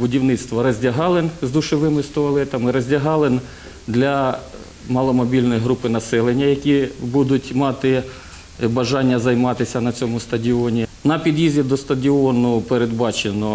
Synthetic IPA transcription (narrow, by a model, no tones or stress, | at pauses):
bʊdʲiwnɪt̪st̪ʋɔɾɐzʲdʲɐɦɑlˠɪnzd̪ʊʃeʋɪmɪst̪ɔɐlˠɛt̪ɐmɪɾɐzʲdʲɐɦɑlˠɪn | d̪lʲɐ | mɑlˠɔmɔbʲilʲnɔjiɦɾupɪnɐsɛlˠenʲːɐjɐkʲibud̪ʊtʲmɑt̪ɪ | bɐʒɑnʲːɐzɐjmɑt̪ɪsʲɐnɐt͡sʲɔmʊst̪ɐdʲiɔnʲinɐpʲid̪jizʲid̪ɔst̪ɐdʲiɔnʊpeɾed̪bɑt͡ʃenɔ